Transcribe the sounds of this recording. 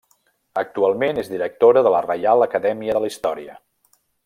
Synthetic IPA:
ək̚t̪ualˠmenezðiɾək̚t̪oɾəðələrəjalˠəkəðɛmiəðələist̪ɔɾiə

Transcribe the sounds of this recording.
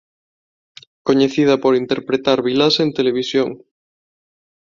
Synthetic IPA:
koɲeθið̞ɐpoɾint̪eɾpɾet̪aɾβilasent̪eleβ̞isjoŋ

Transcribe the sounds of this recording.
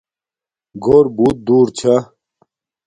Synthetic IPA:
ɡoɾbuːt̪̚d̪uːɾt͡ɕʰa

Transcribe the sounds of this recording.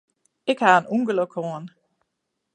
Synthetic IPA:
ɪkhaːənuŋɡələkʰɔːn

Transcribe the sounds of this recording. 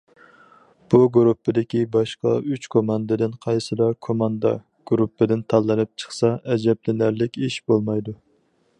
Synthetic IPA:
b̥uɡɾupːɪd̪ɪkʲibɑʃqɑ̰yt͡ʃkʰomɑnd̪ɨd̪ɪnqʰɑjsɨlˠɑɾkʰomɑnd̪ɑ̰ | ɡ̥ɾupːɪd̪ɪnt̪ʰɑlˠːɨnɨp̚t͡ʃʰə̥χsɑʔɛd͡ʒɛblɪnæɾlɪkʲiʃbolˠmɑjd̪u

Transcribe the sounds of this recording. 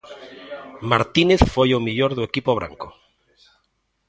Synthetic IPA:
maɾt̪ineθfojomiʎoɾðuekipoβ̞ɾa̰ŋko

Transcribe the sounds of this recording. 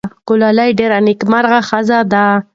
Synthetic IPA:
kʊlalajɖeɾanɪkmaɾɣaxazad̪a

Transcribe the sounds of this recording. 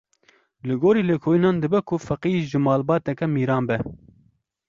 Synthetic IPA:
lɨɡoːɾiːleːkʰoːjinɑːnd̪ɨbɛkʰʊfɐqiːʒɨmɑːlbɑːt̪ɛkɛmiːɾɑːnbɛ

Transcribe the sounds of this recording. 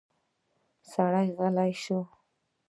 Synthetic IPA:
saɽajɣalajʃo

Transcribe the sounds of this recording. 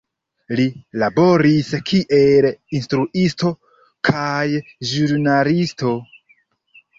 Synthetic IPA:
lilabo̞ɾiskʰiʔelinstɾuʔisto̞ | kʰajʒuɾnalisto̞

